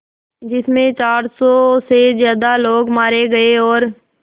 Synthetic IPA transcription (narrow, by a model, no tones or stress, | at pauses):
d͡ʒɪsmẽt͡ʃaːɾsɔːsezjaːd̪aloːɡmaːɾeɡəeɔːɾ